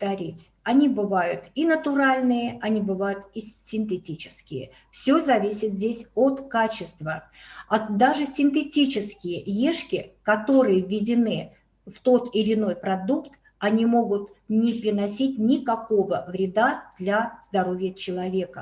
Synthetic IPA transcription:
t̪ɐɾʲitʲ | ɐnʲibɨvajʊt̪inət̪ʊɾalʲnɨjəʔɐnʲibɨvajʊt̪ɪsʲɪnt̪ɨtʲit͡ɕɪ̥skʲɪjə̰ | fsʲɵzɐvʲisʲɪt̪zʲdʲesʲo̞t̪kat͡ɕɪst̪vəɐd̪aʐɨsʲɪnt̪̬ɨtʲit͡ɕɪskʲɪjəjeʂkʲɪkɐt̪o̞ɾɨjəvʲːɪdʲɪnɨ | ft̪o̞t̪ɪlʲɪno̞jpɾɐd̪ukt̪ | ɐnʲimo̞ɡʊt̪nʲɪpɾʲɪnɐsʲitʲnʲɪkɐko̞vəvɾʲɪd̪ad̪lʲazd̪ɐɾo̞vʲjət͡ɕɪlˠɐvʲe̞kə

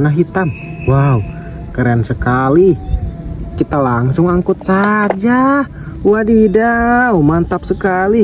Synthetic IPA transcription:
naɦit̪amwau | kəɾeansəkali | kit̪alaŋsʊŋaŋkʊt̪̚sad͡ʒa | wadidaumant̪ap̚səkali

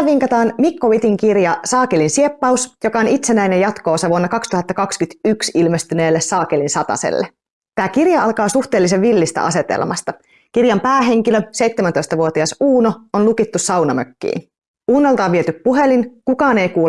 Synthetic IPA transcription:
ʋiŋkɑt̪ɑːnmikːoʋit̪iŋkirjɑsɑːkelinsie̞pːɑusjokɑonit̪se̞næjnejɑt̪ko̞ːseʋuonːɑkɑkst̪uhɑt̪ːɑkɑkskyt̪yksilmest̪yne̞ːlːessɑːkelinsɑt̪ɑ̰sḛlːe | t̪æːkirjɑɑlkɑːsuht̪e̞ːlːiseʋːilːist̪ɑ̰ʔɑse̞t̪ḛlmɑst̪ɑ | kirjɑmpæːɦe̞ŋk̟ilø̞se̞jt̪ːemænt̪o̞jst̪ɑʋuot̪iɑsuːnoonlukit̪ːussɑwnɑmøkːḭːn | uːnːolt̪ɑːʋʋiet̪yppuɦe̞linkukɑːne̞jkuː

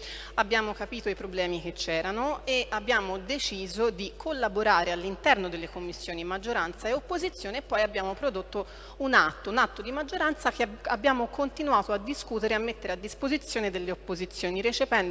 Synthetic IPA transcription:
abːjaːmokapiːt̪oipɾoblɛːmik̟et͡ʃːɛːɾanoeʔabːjaːmod̪et͡ʃiːzod̪ikʰolːaboɾaːɾealːint̪ɛrnod̪elːekomːisːjoːnimad͡ʒːoɾant̪saeopːozit̪sːjoːneːpːɔjabːjaːmopɾod̪ot̪ːo | unat̪ːounat̪ːod̪imad͡ʒːoɾant̪sakeabːjaːmokʰont̪inuaːt̪oad̪ːiskuːt̪eɾeamːet̪ːeɾead̪ːispozit̪sːjoːned̪elːeopːozit̪sːjoːniɾet͡ʃepɛn

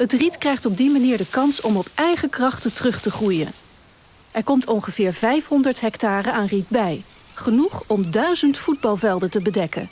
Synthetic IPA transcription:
ɦətritkrɛjχtɔb̚dimaniːɹdəkɑnsɔmɔpʔɛjχəkrɑχtətərɵχtəχrujə̰n | ɛɹkɔmtɔŋχəv̥ɪːɹvɛjfɦɔndəɹtɦɛktaːrəaːnritbɛj | χənuχɔmdœɥzəntfud̚bɑlˠvɛlˠdətəbədɛkə̰n

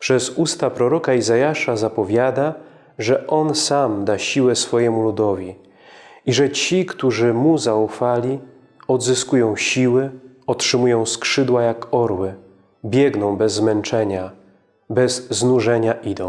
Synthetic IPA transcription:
pʂɛzust̪apɾɔɾɔkaizajaʂazapɔvʲjad̪a | ʐɛʔɔnsamd̪aɕiwɛsfɔjɛmulud̪ɔvʲi | iʐɛt͡ɕikt̪uʐɘmuzaufalʲi | ɔd̪zɘskujɔ̃w̃ɕiwɘ | ɔtʂɘmujɔ̃w̃skʂɘd̪wajakɔɾwɘ | bʲjɛɡnɔ̃w̃bɛzːmɛnt͡ʂɛɲa | bɛzːnuʐɛɲaʔid̪ɔ̃w̃

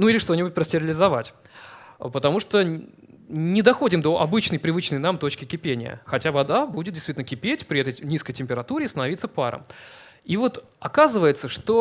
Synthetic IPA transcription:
nuilʲɪʂt̪o̞nʲɪbʊt̚ʲpɾəsʲtʲɪɾʲɪlʲɪzɐvatʲ | pət̪ɐmuʂt̪o | nʲɪd̪ɐxo̞dʲɪmd̪oʔɐbɨt͡ɕnəjpɾʲɪvɨt͡ɕnəjnamt̪o̞t͡ɕkʲɪkʲɪpʲenʲɪ̰jə̰xɐtʲavɐd̪abudʲɪt̪̚dʲɪst̪ʲitʲlnəkʲɪpʲetʲpɾʲɪɛt̪əjnʲiskəjtʲɪmʲpʲɪɾɐt̪uɾʲɪːst̪ənɐvit̪səpa̰ɾə̰m | ivo̞t̪ | ɐkazɨvəjɪt̪səʂt̪o

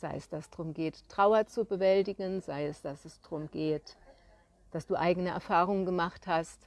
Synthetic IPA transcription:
z̥a̰ɪɛsd̥assd̥ʁʊmɡeːttʁ̥aʊɐt͡subəvɛlt̬ɪɡənzaɪɛsd̥asɛsd̥ʁʊmɡeːt | d̥asd̥uːʔa̰ɪɡənəʔɛ̰ɐfaːʁ̞ʊŋənɡəmaχthast

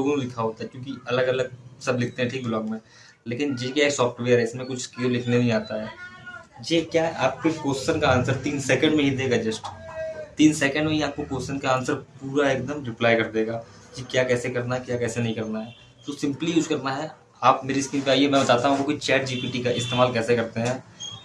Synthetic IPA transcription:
loːɡõkẽlɪkʰaɦoːt̪aɦɛkjõːkiɐləɡɐləɡ̚sɐblɪk̚ʰt̪ẽɦɛ̃ʈʰiːk̚blɔːkmẽ | leːkɪnjekjaːeksɔːfʈʋeːəɾɦɛɪsmẽkʊt͡ʃʰskelɪkʰnenɐɦĩaːt̪aɦɛː | jeːkjaːɦaːp̚kokoːsɪsənkaaːnsəɾt̪iːnsɛːkə̃ɳɖmẽɦid̪eːɡad͡ʒɐsʈt̪iːnsɛːkə̃ɳɖmẽjaːp̚kokoːsɪsənkaaːnsəɾpuːɾaeːk̚d̪əmɾɪplaːjkɐɾd̪eːɡaː | jekjaːkɛːsekɐɾnaɦɛkjaːkɛːsenɐɦĩkɐɾnaɦɛː | t̪oːsɪ̃mplijuːzkɐɾnaɦɛ | aːpmeːɾiskiːmpeaːijemɛ̃bɐt̪aːt̪aɦũkokoit͡ʃɛːʈd͡ʒiːpiːʈikaʔɪst̪eːmaːlkɛːsekɐɾt̪eɦɛ̃ː

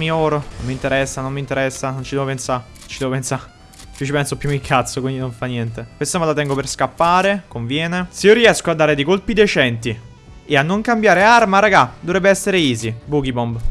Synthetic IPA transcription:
miɔːɾonomːint̪eɾɛsːanonːint̪eɾɛsːanont͡ʃid̪ɛvopensa | t͡ʃid̪ɛvopensa | t͡ʃit͡ʃipɛnsopːjumikʰːat̪sːokwind̪inoɱfanːjɛnt̪epwest̪omalat̪ɛŋɡoperskapːaːɾekoɱvjɛːneseiːoɾiɛskoad̪ːaːɾed̪ejkolpid̪et͡ʃɛnt̪i | eanːoŋkambjaːɾearmaɾaɡad̪ːovɾɛbːeɛsːeɾeiːzibuːk̟ibɔmb

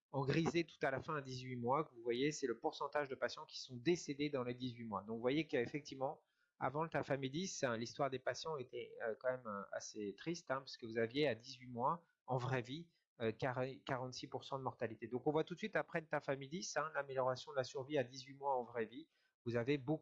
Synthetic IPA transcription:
ɑ̃ɡʁizet̪u̥t̪alafɛ̃ad̪izɥimwakəvuvwajesɛləpuʁsɑ̃t̪aʒd̪əpasjɑ̃kʲi̥sɔ̃d̪esed̪ed̪ɑ̃led̪izɥimwad̪ɔ̃kvwajekəefɛk̚t̪ivmɑ̃ | a̰vɑ̃t̪afamid̪isɛ̃list̪waʁd̪epasjɑ̃et̪ɛøkɑ̃mɛma̰set̪χist̪ɛ̃pḁskəvuzavjead̪izɥimwa | ɑ̃vʁɛvi | økaʁkaʁɑ̃t̪sipuʁsɑ̃d̪əmɔʁt̪alit̪ed̪ɔ̃kɔ̃vwat̪ut̪sɥit̪apχɛət̪afamijd̪isɛ̃lameljɔʁasjɔ̃d̪əlasyʁviad̪izɥimwaɑ̃vʁɛvi | vuzavebo

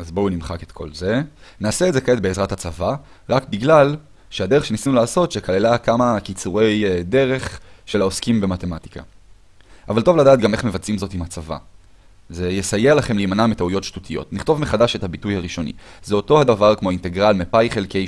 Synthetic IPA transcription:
azbounimχaket̪kʰo̞̰lze̞naːseetzekaetbeːzʁathat͡sava | ʁakbiɡlal | ʃeade̞ʁeʃe̞nisinulaːso̞tʃekalelakamakit͡suʁe̞jde̞ʁe̞χʃe̞laoskimbe̞mate̞mati̥kʰa̰ | ʔavalto̞vladaːt̪̚ɡameχme̞vat͡simzo̞timhat͡sava̰ | ze̞jesajelaχe̞mlijmanametaujo̞tʃtutʰijo̞̰tniχto̞vmeχadaʃe̞thabitujhaʁiʃo̞nḭzeo̞to̞hadavaʁkmo̞inteɡʁalmepajχelkej

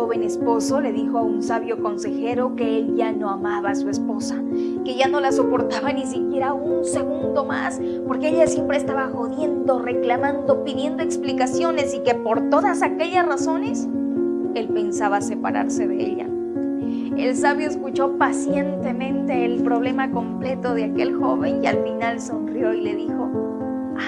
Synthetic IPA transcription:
oβe̞ne̞spo̞so̞le̞ðixo̞aunsaβjo̞ko̞nse̞xe̞ɾo̞ke̞elʝano̞amaβasue̞spo̞sa | ke̞ʝano̞laso̞po̞ɾt̪aβanis̬ikje̞ɾaunse̞ɣund̪o̞ma̰s | po̞ɾke̞eʎasje̞mpɾeːst̪aβaxo̞ðje̞nd̪o̞re̞klamãnd̪o̞piðje̞nd̪o̞eksplikasjo̞ne̞sike̞po̞ɾt̪o̞ðasake̞ʎasraso̞ne̞s | e̞lpe̞nsaβase̞paɾa̰ɾse̞ðeḛʎa̰ | elsaβjoeskut͡ʃo̞pasje̞nt̪e̞mẽ̞nt̪eːlpɾo̞β̞le̞mako̞mple̞t̪o̞ðeake̞lxo̞βe̞nia̰lfinalso̞nrjo̞ile̞ðixo̞ | a

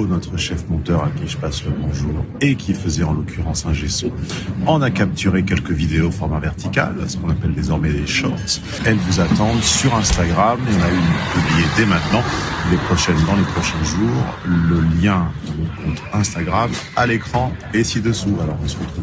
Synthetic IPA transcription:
onɔt̪χəʃɛfmɔ̃t̪œʁakʲiʒəpasləbɔ̃ʒuːʁ | ekʲifəzɛɑ̃lɔkʲyʁɑ̃sɛ̃ʒesuɔ̃nakap̚t̪yʁekʲɛlkəvid̪eofɔʁmavɛʁt̪ika̰lsə̥kɔ̃napɛld̪ezɔʁmɛd̪eʃɔʁt̪ | ɛlvuzat̪ɑ̃d̪syʁɛ̃st̪aɡʁameɔ̃naypyblijed̪ɛmɛ̃t̪nɑ̃lepχɔʃɛnd̪ɑ̃lepχɔʃɛ̃ʒuːʁləljɛ̃d̪ɑ̃mɔ̃kɔ̃t̪ɛ̃st̪aɡʁamalekχɑ̃esid̪əsualɔʁɔ̃səʁət̪χuv

